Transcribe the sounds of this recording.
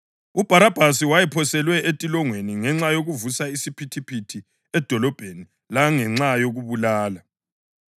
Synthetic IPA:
ub̥ʱaɾab̥ʱasiwajɛpʰɔsɛlwɛʔetʼilɔŋweniŋɛŋ͡ǁajoɣuvusaisipʰitʰipʰitʰi | ɛd̥ʱɔlɔb̥ʱeni | laŋɛŋ͡ǁajoɣuβulaːla

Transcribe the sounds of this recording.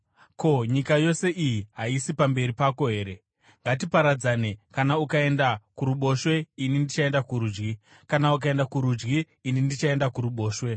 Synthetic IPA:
ko̞ɲikajo̞se̞ʔijiɦaisipambe̞ɾipako̞ɦe̞ːɾe̞ | ŋɡat̬ipaɾad͡zane̞kanaukae̞ndakuɾuɓo̞ʃwe̞inindit͡ʃae̞ndakuɾuːd͡ʒɡi | kanauk̬ae̞ndakuɾud͡ʒɡiː | nindit͡ʃae̞ndakuɾuɓo̞ːʃwe̞

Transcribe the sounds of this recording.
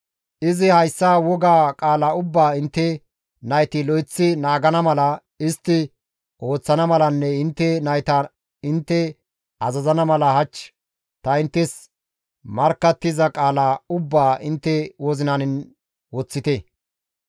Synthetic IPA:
ʔɪzɪhɐjsːaːwɔɡaːkʼaːlaʊbːaːɪnt̪ːɛ | nɐjt̪ɪlɔjɪt͡sːɪnaːɡɐnɐmɐlɐ | ɪst̪ːɪ | ʔo̞ːt͡sːɐnɐmɐlɐnːɛɪnt̪ːɛnɐjt̪ɐ | ɪnt̪ːɛ | ɐzɐzɐnɐmɐlɐhɐt͡ʃː | t̪ɐɪnt̪ːɛs | mɐɾkːɐt̪ːɪzɐkʼaːlaʊbːaːɪnt̪ːɛwɔzɪnɐnɪn | wɔt͡sːɪt̪ɛ

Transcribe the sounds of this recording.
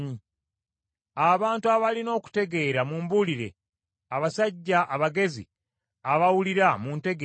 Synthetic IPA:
ɲi | aβaːntuaβalino̞ːku̥te̞ɡe̞ːɾamuːmbuliɾe̞̰ | aβasaɟːaʔaβaɡe̞zḭ | aβawuliɾamunte̞ɡ

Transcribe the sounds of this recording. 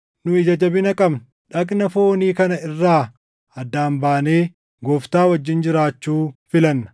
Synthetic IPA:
nʊɪd͡ʒɐd͡ʒɐbɪnɐkʼɐm | ᶑɐknɐfo̞ːniːkɐnɐɪrːaː | ɐd̪ːaːmbaːne̞ː | ɡɔːft̪aːwɐd͡ʒːɪnd͡ʒɪɾaːt͡ʃːuːfɪlɐnːɐ̥

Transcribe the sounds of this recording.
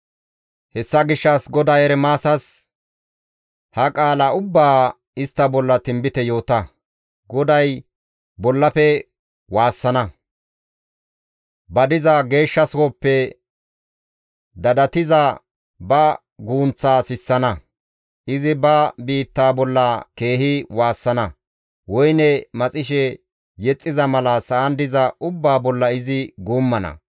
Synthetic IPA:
hɛsːɐɡɪʃːɐsɡɔd̪ɐjɛɾɛmaːsɐs | hɐkʼaːlɐʊbːaː | ɪst̪ːɐbɔlːɐt̪ɪmbɪt̪ɛjo̞ːt̪ɐ | ɡɔd̪ɐj | bɔlːɐpɛ | waːsːɐnɐ | bɐd̪ɪzɐɡe̞ːʃːɐsɔpːɛ | d̪ɐd̪ɐt̪ɪzɐ | bɐ | ɡuːnt͡sːaːsɪsːɐnɐ | ʔɪzɪbɐbiːt̪ːaːbɔlːɐke̞ːhɪwaːsːɐnɐ | wɔjnɛmɐt͡sʼɪʃ̬ɛ | jɛt͡sʼːɪzɐmɐlɐsɐːnd̪ɪzɐʊbːaːbɔlːɐɪzɪɡuːmːɐnɐ̰

